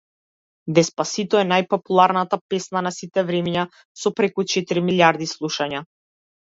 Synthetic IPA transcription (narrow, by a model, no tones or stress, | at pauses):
d̪ɛspasit̪ɔɛnajpɔpulˠaɾnat̪apɛsnanasit̪ɛvɾɛmja | sɔpɾɛkut͡ʃɛt̪iɾimilʲjaɾd̪islˠuʃaɲa